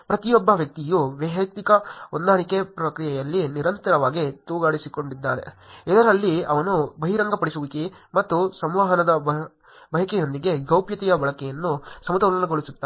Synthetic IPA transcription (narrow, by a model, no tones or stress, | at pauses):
pɾɐt̪ijobːɐʋjɐk̚t̪ijuʋɐɦɐk̚t̪ikɐond̪aːɳikepɾɐkɾijɐjɐlːiniɾɐnt̪ɐɾɐʋaːɡit̪uːɡaːɽisiko̞ɳɖid̪ːaːɾḛɛd̪ɐɾɐlːiɐʋɐnubɐɦiɾɐŋɡɐpɐɽisuʋikimɐt̪ːusɐmʋaːɦɐnɐd̪ɐb | bɐɦɐkɛjo̞nd̪iɡe̞ɡɐwpjɐt̪ɛjɐbɐɭɐkɛjɐnːusɐmɐt̪ɐlɐnɐɡoɭisut̪ːaː